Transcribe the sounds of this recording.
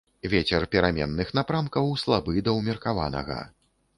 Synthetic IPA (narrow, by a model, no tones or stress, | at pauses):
vʲet͡sʲɛrpʲɛɾamʲɛ̰nːɨxn̪apɾamkɐwslˠabɨd̪ɐwmʲirkava̰nɐ̰ɣɐ̰